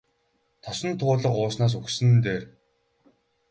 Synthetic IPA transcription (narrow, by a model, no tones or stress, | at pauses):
t̪ʰɔsɞ̆nt̪ʰʊːɮə̆qʊːsnaːs̬uxsɘ̆nt̪eːr